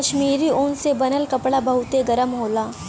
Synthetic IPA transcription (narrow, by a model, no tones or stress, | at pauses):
ɐʃmiːɾiʊnsebɐnəlkɐpɽabɐɦʊt̪eɡɐɾəmɦoːlaː